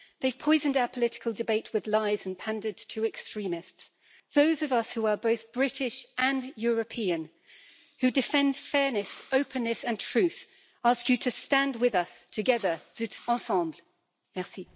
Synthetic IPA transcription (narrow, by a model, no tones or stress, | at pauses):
ðeɪv̥pʰɔɪzɨ̃n̩daʊə˞pʰəlɪɾɪ̥kʰəlˠdɨbeɪʔ̚wɨðlaɪz̥̃n̩pʰæ̃ndəd̚tʰɨɛkstɹ̥ĩmɪsts | ðoʊzʌvʌshuə˞boʊθb̥ɹɪɾɪʃʔə̃njɔɹɨpʰiɨ̃n | hʉdɨfɛ̃nd̥fɛɹnɨsoʊpʰɨ̃nːɨsɨ̃ntʰɹ̥ʉθ | ɑˑskjɨɾʰɨstæ̃nd̚wɪðʌstʰɨɡɛðə˞ðɪtsɑsɑ̃mbl | mɛsi